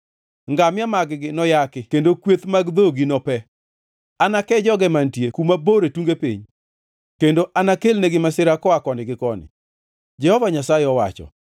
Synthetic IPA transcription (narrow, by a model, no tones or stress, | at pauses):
ŋɡamɪjamaɡɡɪnɔjakɪkendokwet̪maɡd̪oɡinɔpɛ | anakɛd͡ʒɔɡɛmantjekumaboɾetuŋɡepḭɲ | kendoʔanakelneɡɪmasɪɾakɔakɔndɪɡɪkɔnɪ̰ | d͡ʒɛhɔvaɲasajeɔwa̰t͡ʃɔ̰